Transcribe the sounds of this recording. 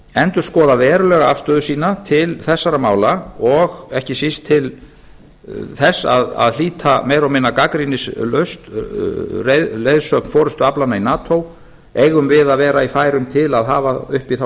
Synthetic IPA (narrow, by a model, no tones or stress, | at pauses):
ɛnt̪ʏɾ̥skɔːðavɛːɾʏlɛɣaafst̪œːðʏsiːnat̪ʰɪlθɛsːaɾamaːwlaɔɣɛhcɪsist̪ʰːɪl | θɛsːa̰ða̰ðl̥iːt̪ʰamejɾawmɪnːakakɾinɪslœst̪ | reðlejðsœkn̥fɔːɾʏst̪ʏaplanainaːt̪ʰow | ejɣʏmvɪðavɛːɾaifaːjɾʏmt̪ʰɪlaðɦaːvaʏhpiθa